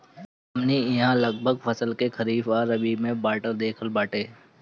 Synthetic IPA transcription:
ɐmniɪɦãlɐɡ̚bʱəɡfʰɐsəlkekʰɐɾiːfaːɾɐbimẽbaːʈəɾd̪eːkʰəlbaːʈeː

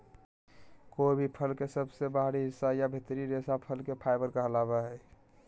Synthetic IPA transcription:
kobʱipʰəlkesəbsebaɦɾiɦɪsːajabʱɪt̪ɾiɾesapʰəlkepʰaɪbəɾkəɦəlabaɦɛ

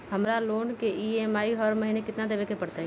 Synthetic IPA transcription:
hɐmɾaloːnkeʔiemaːiɦɐɾmɐɦiːnekɪt̪nad̪ebekepɐɽt̪aɦɛ

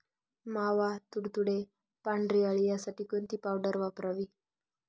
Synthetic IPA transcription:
maʋat̪uɽt̪uɽe | paɳɖɾiəɭijasaʈiːkont̪ipawɖəɾʋapɾəʋi

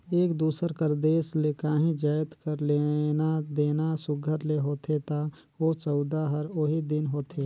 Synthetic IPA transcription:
eːkd̪uːsəɾkəɾd̪eːslekaːɦĩd͡ʒəjt̪kəɾlenad̪eːnasʊɡʱəɾleɦoːt̪ʰet̪a | oːt͡ʃɔʊd̪aɦəɾoɦid̪ɪnɦoːt̪ʰeː

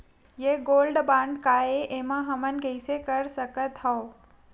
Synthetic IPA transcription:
jeɡoːlɖbãːɳɖkaeʔemãɦɐmənkəɪsekəɾsəkət̪ɦɔ

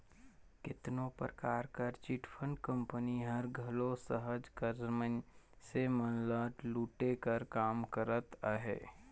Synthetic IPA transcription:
kɪt̪nõpɾəkaːɾkəɾt͡ʃɪʈʰpʰə̃ɳɖkə̃mpəniɦəɾɡʱəlosəɦəd͡ʒkəɾməɲ | semənləːʈluːʈekəɾkaːmkəɾət̪əɦḛː

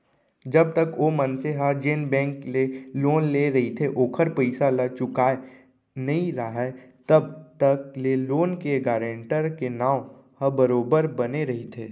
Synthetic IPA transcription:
d͡ʒɐb̚t̪əkoːmənseɦad͡ʒeːnbɛ̃ːŋkleloːnleɾɐɦit̪ʰeʔoːkʰəɾpəɪsalat͡ʃʊkaːe | nɐɦĩɾaɦɛt̪ɐbt̪əkleloːnkeɡaːɾə̃ɳʈəɾkenaːʊ | hə̃bəɾoːbəɾbɐneɾɐɦit̪ʰeː

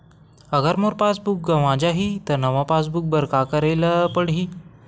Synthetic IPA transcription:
əɡəɾmoɾpasbuk̚ɡəʋãd͡ʑaɦit̪əɾnəʋãpas̬buk̚bəɾkakəɾeləpəɽɦi

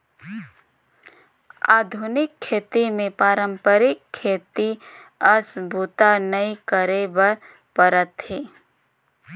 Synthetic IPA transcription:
aːd̪ʱʊnɪkʰːeːt̪imẽpaːɾəmpəɾɪkʰːeːt̪i | əsbʱut̪anəikəɾebəɾ | pəɾət̪ɦeː

